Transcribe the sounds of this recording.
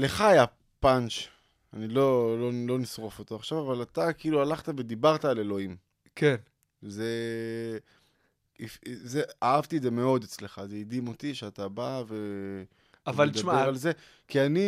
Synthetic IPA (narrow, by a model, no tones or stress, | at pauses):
le̞χaːja | panʃ | anilo̞lo̞lo̞nisʁo̞fo̞t̪oaχʃavavalat̪akiilualaχt̪ave̞d̪ibaʁtaːle̞lo̞im | ken | ze | ifzeaavt̪iedzeme̞o̞d̪et͡sle̞χazeid̪imo̞t̪iʃeatabave̞ | avaled̪ameʁalze̞ | kiani